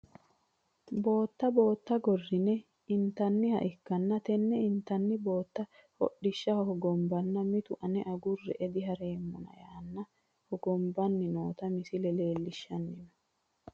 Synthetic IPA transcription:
bo̞ːt̪ːɐbo̞ːt̪ːɐɡɔrːɪnɛ | ɪnt̪ɐnːɪhɐ̰ʔɪkːɐnːɐt̪ɛnːɛɪnt̪ɐnːɪbo̞ːt̪ːɐhɔ̰ɗːɪʃːɐhɔhɔɡɔmbɐnːɐmɪt̪ʊʔɐnɛʔɐɡʊrːɛ̰ʔɛd̪ɪɦɐɾe̞ːmːɔnɐ̰jaːnːɐ | hɔɡɔmbɐnːɪnoːt̪ɐmɪsɪlɛle̞ːlːɪʃːɐnːɪmɛ

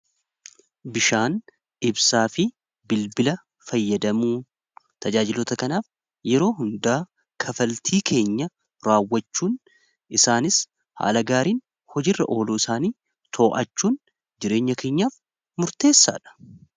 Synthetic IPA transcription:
bɪʃaːn | ɪbsaːfɪ | bɪlbɪlɐ | fɐjːɐd̪ɐmuː | t̪ɐd͡ʒaːd͡ʒɪlɔt̪ɐkɐnaːf | jɛɾo̞ːɦʊnd̪aː | kʰɐfɐlt̪ʰiːkʰe̞ːɲːɐ | ɾaːwːɐt͡ʃːuːn | ɪsaːnɪs | ha̰ːlɐɡaːɾiːn | hɔd͡ʒɪrːɐ̰ʔo̞ːluːɪsaːniː | t̪ʰo̞ːʔɐt͡ʃːuːn | d͡ʒɪɾe̞ːɲːɐkʰe̞ːɲːaːf | mʊɾt̪e̞ːsːa̰ːᶑɐ̥

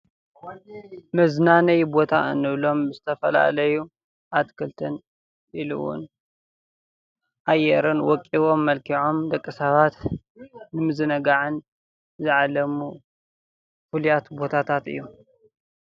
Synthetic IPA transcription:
mɐznanɐjbo̞t̪ʰa̰ɨnːɨβlo̞mbɨzɨt̪ʰɐfɐla̰lɐju | ʔat̪kʰɨlt̪ʰɐn | ʔilṵwʊ̰n | ʔajɛɾɨnwɔkʼːiwo̞mːɐlkʰiʕo̞md̪ɐkʼːɨsɐβat̪ | nɨmɨzɨnɐɡaʕɨn | zɨʕalɐmu | fɨlujat̪bo̞t̪ʰat̪ʰat̪ɨ̰jːu

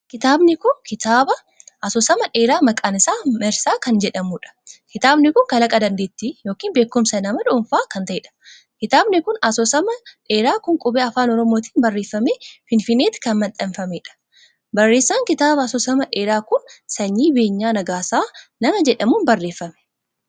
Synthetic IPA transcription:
kɪt̪aːbnɪkʊnkɪt̪aːbɐ | ʔɐsɔsɐmɐᶑeːɾaːmɐkʼaːnɪsaːmɛɾsaːkɐnd͡ʒɛᶑɐmuːᶑɐ̥kɪt̪aːbnɪkʊŋkɐlɐkʼɐd̪ɐnd̪eːt̪ːijo̞ːkiːnbe̞ːkːʊmsɐnɐmɐᶑʊnfaːkɐnt̪ɐʔeːᶑɐ̥ | kɪt̪aːbnɪkʊnɐsɔsɐmɐᶑe̞ːɾaːkʊŋkʼʊbeːɐfaːnɔɾɔmo̞ːt̪i̥ːnbɐrːe̞ːfːɐmeːfɪnfɪnːeːt̪ɪ̥kɐnmɐt̪ʼɐnfɐmeːᶑɐ̥ | bɐrːe̞ːsːaːŋkɪt̪aːbɐɐsɔsɐmɐᶑe̞ːɾaːkʊnsɐɲːiːbe̞ːɲːaːnɐɡaːsaːnɐmɐd͡ʒɛᶑɐmuːnbɐrːeːfːɐmɛ̥

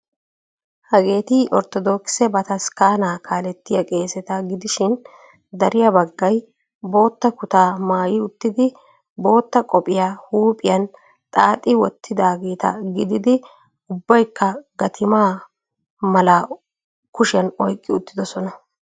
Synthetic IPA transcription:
hɐɡe̞ːt̪ɪʔɔɾt̪ɔd̪oːkɪ̥sɛbɐt̪ɐskaːnaːkʰaːlɛt̪ːɪjɐkʼe̞ːsɛt̪ɐɡɪd̪ɪʃɪn | d̪ɐɾɪjɐbɐɡːɐj | bo̞ːt̪ːɐkʊt̪aːmaːjɪʊt̪ːɪd̪ɪ | bo̞ːt̪ːɐkʼɔpʼɪjaːhuːpʼɪjɐn | t̪ʼaːt̪ʼɪwɔt̪ːɪd̪aːɡe̞ːt̪ɐ̰ɡɪd̪ɪd̪ɪ | ʊbːɐjkːɐɡɐt̪ʰɪmaː | mɐla | kʊʃɪjɐnɔjkʼːɪʊt̪ːɪd̪ɔsɔnɐ

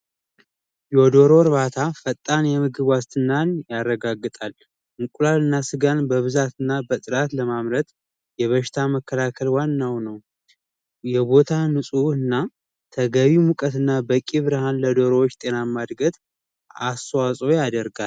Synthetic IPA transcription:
jɛɔd̪o̞ɾo̞ɾβat̪ʰafət̪ʼːanjɛmɨɡɨβwast̪ʰɨnːanjarːəɡaɡːɨt̪ʼal | ʔɨŋkʼulalɨnːasɨɡanbəβɨzat̪ɨnːabət̪ʼɨɾat̪ləmamɾət̪ | jɛβəʃɪ̥t̪ʰaməkʰːəlakʰəlwanːawnəw | jɛbo̞t̪ʰanɨsʼuɨnːa | t̪ʰəɡəβimukʼət̪ɨnːabəkʼiβɨɾɨɦanləd̪o̞ɾo̞wot͡ʃːt̪ʼe̞namːad̪ɡət̪ʼ | ast̪əwasʼo̞jad̪əɾɡal

